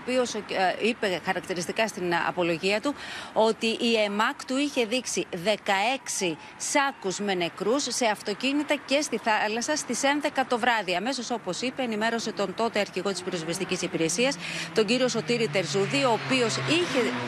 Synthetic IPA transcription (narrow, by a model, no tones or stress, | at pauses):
pio̞sipe̞xɐɾɐk̚t̪iɾist̪ikɐst̪inɐ̰po̞lo̞ʝiɐt̪uo̞t̪iʔːe̞mɐkt̪uiçe̞ðiksiðe̞kɐe̞ksi | sɐkuzme̞ne̞kɾusːe̞ɐft̪o̞cinit̪ɐce̞st̪iθɐlɐsɐst̪ise̞nðe̞kɐt̪o̞vɾɐðiɐme̞so̞so̞po̞sipe̞ːnime̞ɾo̞se̞t̪o̞nt̪o̞t̪eɐɾçiɣo̞t̪ispiɾozvest̪icisipiɾe̞siɐst̪o̞ɲɟiɾio̞so̞t̪iɾit̪e̞ɾzuðio̞ːpio̞siçe̞